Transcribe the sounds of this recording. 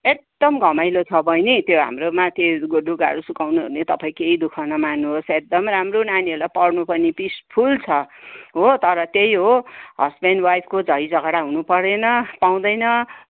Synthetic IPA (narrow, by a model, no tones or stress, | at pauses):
ek̚d̪ʌmɡʱʌmajlot͡sʰʌbʱʌjnet̪joɦa̰mromat̪eɡoɖʱuɡa̰ɽusukawnuɦo̰net̪ʌpaĩkeid̪ukʰʌnʌmanːuɦosek̚d̪ʌmɾamronanielapʌrnupʌnipispʰult͡sʰʌɦot̪ʌɾʌt̪ejɦoɦʌ̰spenwajpʰkod͡zʌjd͡zʌɡaɽaɦunupʌɾenʌpaw̃d̪ʌjnʌ